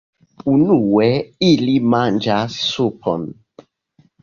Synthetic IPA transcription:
unuwɛilimand͡ʒassupʰɔ̰n

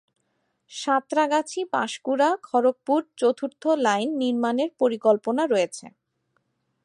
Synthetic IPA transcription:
ʃat̪ɾaɡat͡ɕʰipa̰ʃkuɾakʰɔɾok̚puɾt͡ɕot̪ʰuɾt̪ʰolajnːiɾmaneɾpoɾikɔlponaɾɔet͡ɕʰḛ

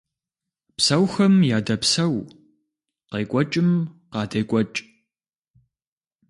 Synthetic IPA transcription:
psɐwxɐmjaːdɐpsɐw | qeːkʷʼɔt͡ʃʼɪmqɑːdɐjkʷʼɔt͡ʃʼ

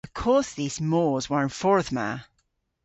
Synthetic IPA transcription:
əv̥kʰɔɹsðiːz̥moːzwə˞ɹɪ̃nfɔɹðma̰

